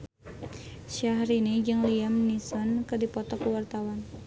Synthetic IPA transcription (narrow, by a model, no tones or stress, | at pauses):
ʃiaɦɾinid͡ʒɨŋliamnisɔnkɨrdipɔt̪ɔkuwart̪awan